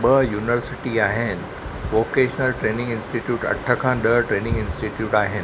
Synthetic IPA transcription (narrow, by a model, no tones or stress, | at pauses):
ɓəjuːnʋəɾsɪʈiaːɦɪn̆ | ʋoːkeːʃənəlʈɾeːnɪ̃ŋɡɪnsʈiʈjuːʈɐ̰ʈʰːəkʰãːɗəʈɾeːnɪ̃ŋɡɪnsʈiʈjuːʈaːɦɪn